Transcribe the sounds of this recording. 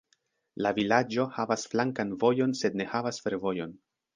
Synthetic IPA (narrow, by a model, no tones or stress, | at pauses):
lavilad͡ʒo̞havasflaŋkanvo̞jo̞nse̞dne̞havasfe̞ɾvo̞jo̞n